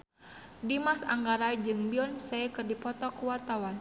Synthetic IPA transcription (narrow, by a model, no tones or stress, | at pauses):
dimasa̰ŋɡaɾaid͡ʒɨŋbiɔnsɛjkɨrdipɔt̪ɔkuwart̪awan